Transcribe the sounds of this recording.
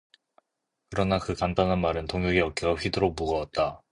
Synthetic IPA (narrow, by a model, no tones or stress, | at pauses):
kɯɾʌnakɯkandanɦanmaɾɯntoŋɦjuɡeʌk̚k͈iɸɥidɯɾok̚muɡʌʌt̚t͈a